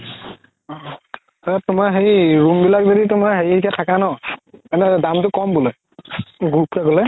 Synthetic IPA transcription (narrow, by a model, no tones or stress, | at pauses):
ɔ | taɹatʊmaɦeɹiɹumbilakzoditʊmaɹɦeɹiekatʰakanɔanɛdamtʊkɔmbʊlɛ | ɡuɹup̚kaɡɔlɛ